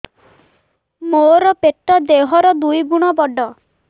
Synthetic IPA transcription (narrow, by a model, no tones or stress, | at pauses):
moɾɔpeʈːɔd̪eɦɔɾɔd̪ujbuɽ̃ɔbɔɖɔ